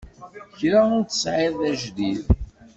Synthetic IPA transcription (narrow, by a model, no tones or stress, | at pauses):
çɾaʊɾt̪ːə̥sʕeðˤæʒd̪ið